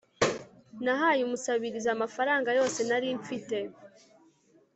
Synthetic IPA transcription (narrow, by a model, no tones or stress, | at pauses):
naɦaːjumusaβiɾizamafaɾaːŋɡajo̞ːse̞naɾiɱp͡fite̞